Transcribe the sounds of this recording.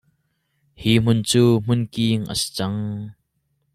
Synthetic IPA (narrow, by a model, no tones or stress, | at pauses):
hiːm̥ʊnt͡suːm̥ʊnkiːŋʔə̰si̥t͡sɐŋ